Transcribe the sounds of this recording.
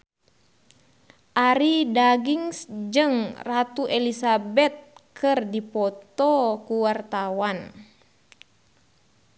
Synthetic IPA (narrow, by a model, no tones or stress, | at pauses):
ʔaɾidaɡiŋsd͡ʒɨŋrat̪uʔɛlisabɛt̪̚kʰɨrdipɔt̪ɔkuwart̪awan